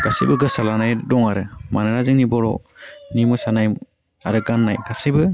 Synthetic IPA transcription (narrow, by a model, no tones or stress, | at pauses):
ɡ̥asibɯɡɯsalanajdɔŋaɾɯmanɯɾazɯŋnibɔɾɔnimɯsanaj | a̰ɾɯkanːajɡasibɯ